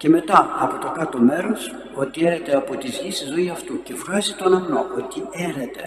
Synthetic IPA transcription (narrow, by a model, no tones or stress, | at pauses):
ce̞me̞t̪ɐɐpo̞t̪o̞kɐt̪o̞me̞ɾo̞s | o̞t̪ieɾet̪e̞ɐpo̞t̪izʝist̪izo̞iɐft̪uce̞fxɐsit̪o̞nɐmnoʔot̪ieɾet̪e̞